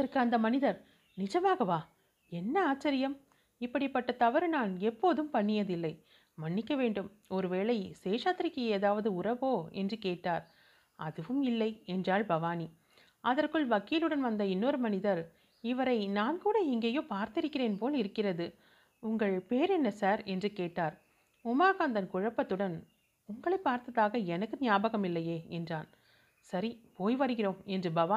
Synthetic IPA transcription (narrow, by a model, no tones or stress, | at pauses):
ɐrkɯɐnd̪ɐmɐnɪðɐɾ | nɪd͡ʒɐmaːɣɐʋaː | ɛnːɐaːt͡ʃːɐɾɪjɐm | ɪpːɐɽɪpːɐʈːɐt̪ɐʋɐɾnaːnɛpːoːðɯmpɐɳːɪjɐðɪlːɐɪ | mɐɳːɪkːɐʋeːɳɖɯm | ɔɾɯʋeːɭɐɪseːʂaːt̪ːɾɪkːɯeːðaːʋɐðɯʊrɐʋoːɛ̰ndrɯkeːʈːaːɾ | ɐðɯʋɯmɪlːɐɪɛndraːɭbɐʋaːni | ʔɐðɐrkɯɭʋɐkːɪlɯɽɐnʋɐnd̪ɐɪnːoːɾɯmɐnɪðɐɾ | ɪʋɐɾɐɪnaːnkuːɽɐɛŋɡeːjoːpaːɾt̪ɪɾɯkːɪreːnpoːlɪɾɯkːɪrɐðɯ | ʊŋɡɐɭpeːɾɛnːɐsaːɾɛndrɯkeːʈːaːɾ | ʊmaːɣaːnd̪ɐnkʊɻɐpːɐt̪ːɯɽɐn | ʊŋɡɐɭɐɪpːaːɾt̪ɐðaːɣɐɛnɐkːɯnɪjaːbɐɣɐmɪlːɐjeːɛndraːn | sɐɾipoːjʋɐɾɯɣɪroːmɛndrɯbɐʋaː